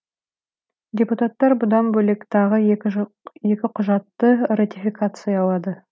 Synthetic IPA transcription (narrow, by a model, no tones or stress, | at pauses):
dʲe̞put̪at̪ːɑɾbʊd̪ɑnbɵle̞kt̪ʰɑʁə | je̞kʲɪqʰʊʒɑt̪ːərat̪ʲifʲikat̪sɨjɑːlˠɑd̪ə